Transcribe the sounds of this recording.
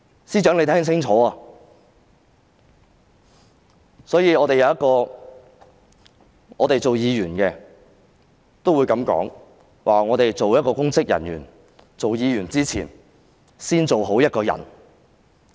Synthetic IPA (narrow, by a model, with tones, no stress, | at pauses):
siː˥t͡ʃœː˨˥ŋle˨˧t̪ʰɛː˥ŋsɪ˥ŋt͡ʃʰɔː˨˥aː˧ | sɔː˨˥jiː˨˧ɔː˨˧t̪e˨jɐ˨wjɐ˥t̚kɔː˧ | ɔ̰ː˨˧t̪e˨jt͡so˨wjiː˨˧jyː˨˩nkɛː˧ | t̪o˥wu˨˧jkɐ˨˧˥mkɔ̰ː˨˥ŋ | wʔaː˨ŋɔː˨˧t̪e˨jt͡so˨wjɐ˥t̚kɔː˧kʊ˥ŋt͡sɪ˥k̚jɐ̰˨˩njy̰ː˨˩n | t͡so˨wjiː˨˧jyː˨˩nt͡siː˥t͡sʰḭː˨˩n | siː˥nt͡so˨wɦo˨˥wjɐ˥t̚kɔː˧jɐ̰˨˩n